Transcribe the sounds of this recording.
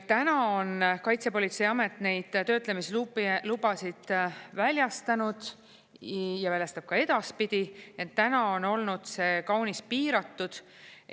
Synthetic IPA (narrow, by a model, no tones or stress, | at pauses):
t̪ːænɑo̞nkɑjt̪se̞po̞lʲit̪sejɑme̞t̪ne̞jd̪̥t̪ø̞ːt̪ˑlemislulubɑsid̪̥vælʲjɑst̪ɑnud̪̥ | jɑvælʲjɑst̪ɑb̥̚kɑe̞d̪̥ɑspid̪̥ʲiet̪ːænɑo̞no̞lnud̪̥se̞ːkɑwnispiːɾɑt̪ːˑud̪̥